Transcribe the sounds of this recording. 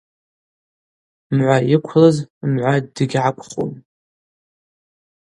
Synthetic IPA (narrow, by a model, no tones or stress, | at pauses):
mʕʷajɪkʷʰlɨzmʕʷaddɨɡʲʕakʷʰʼχʼo̰m